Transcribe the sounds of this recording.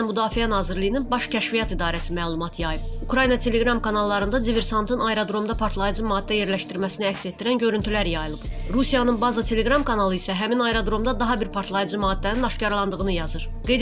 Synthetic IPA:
mud̪ɑːfiænɑːziɾlijininbɑʃcʰæʃvijɑt̪id̪ɑːɾæsimæːlˠumɑt̪ʰjɑjɯb | ukɾɑjinɑt̪ʰe̞le̞ɡɾɑmkʰɑnɑlˠːɑɾɯnd̪ɑd̪ive̞ɾsɑnt̪ʰɯnɑjɾad̪ɾo̞md̪ɑpʰɑɾt̪ʰlˠɑjɯd͡ʒɯmɑːd̪ːæje̞ɾlæʃt̪iɾmæsiniæcʲset̪̚d̪iɾænɟø̞ɾynt̪ʰylæɾjɑjɯlˠɯb̥ | ɾusijɑnɯnbɑzɑt̪ʰe̞lʲe̞ɡɾɑmkʰɑnɑlˠɯisæɦæminɑjɾad̪ɾo̞md̪ɑd̪ɑɦɑbiɾpʰɑɾt̪ʰlˠɑjɯd͡ʒɯmɑːd̪ːæninɑʃcɑɾlˠɑnd̪ɯɣɯnɯjɑzɯɾ | ɡ̥e̞jd̪

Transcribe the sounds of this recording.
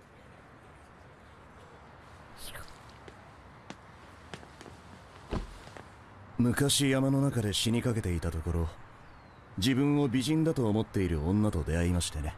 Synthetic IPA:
mɯ̟kaɕijamano̞nakad̪e̞ɕiɲ̟ikake̞t̪e̞it̪at̪o̞ko̞ɾo̞ | d͡ʑibɯ̟̃ɰ̃o̞bʲiʑĩnd̪at̪o̞ːmot̪ːe̞iɾɯ̟õ̞nːat̪o̞d̪e̞aimaɕi̥t̪e̞ne̞

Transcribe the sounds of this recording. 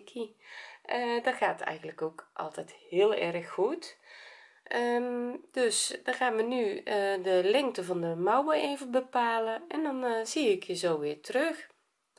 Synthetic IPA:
kʰiʔədɔtxaːtɛ̰jɣən̩dləkoːkʔɔ̰lˠtɛjthɪəlˠɛrəxːut | əd̥øsdɔxaːnʋənyədəlɛŋk̚təvɔndəmawəʔeːvəbəpaːləɛndɔnsiɪkizoːʋɪːtərøx

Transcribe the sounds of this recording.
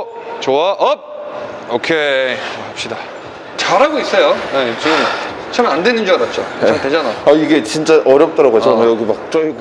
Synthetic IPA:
o | t͡ɕowaʔʌp̚ | okʰeoaap̚ɕ͈ida | t͡ɕaɾɦaɡois͈ʌjojet͡ɕom | t͡ɕʰamandwenɯnd͡ʑianat̚t͡ɕ͈okeated͡ʑanaaiɡe̞t͡ɕint͡ɕ͈aʔʌɾjʌp̚t͈ʌɾaɡoat͡ɕʌmjʌɡimak̚t͡ɕ͈ʌk

